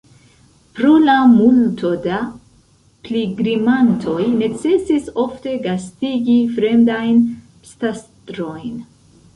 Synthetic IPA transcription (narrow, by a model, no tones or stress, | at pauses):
pɾolamultʰo̞da | pliɡɾimantʰo̞jne̞t͡se̞siso̞fte̞ɡastiɡifɾe̞mdajn | stastɾo̞jn